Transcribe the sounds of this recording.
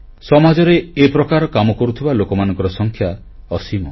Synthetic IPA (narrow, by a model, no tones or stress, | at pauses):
sɔmad͡ʒɔɾeepɾɔkaɾɔkamɔkɔɾut̪ʰibalokɔmanɔ̃ŋkɔɾɔsɔŋkʰja | ɔsimɔ